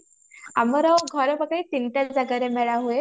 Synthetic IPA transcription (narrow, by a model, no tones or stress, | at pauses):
a̰məɾaʋɡʱəɾəpəkait̪inʈ̪ad͡zaɡaɾemɛɭaɦue